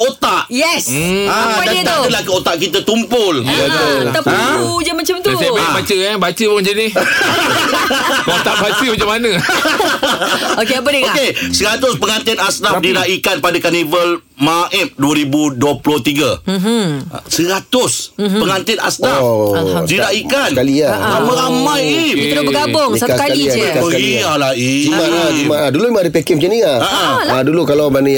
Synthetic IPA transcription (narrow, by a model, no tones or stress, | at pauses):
ot̪aʔjɛsadant̪adəlahkəot̪aʔkit̪at̪umpʊl | t̪aud͡ʒəmat͡ʃamt̪ababat͡ʃəabat͡ʃəbund͡ʒəni | ot̪aʔbat͡ʃəməd͡ʒamanə̃ | okeapədiokesəɾat̪ʊspəŋant̪ɪnasnadiɾaikanpadakanivəl | maʔɛm̚duaɾibuduaploht̪iɡa̰ | səɾat̪ʊspəŋant̪ɪna̰sna | diɾaikanalialamə̃ɾamajiiɾʊbəɡabʊŋsalailiai | alai | aaumaaduluimaaɾipekɛmt͡ʃiniaaʔa | adulukalawbanə